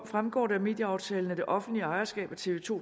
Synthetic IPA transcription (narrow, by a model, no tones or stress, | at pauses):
fʁamɡ̥ɒ̰ːdæɐme̝ːd̥jəɑ̈ʊt͡sʰɛːlən̩æd̥e̝ʔɒ̽fn̩d̥liəɑ̈ɪɐsɡ̥ɛ̰ːb̥æt͡sʰe̝ːʋe̝t͡sʰo̝̰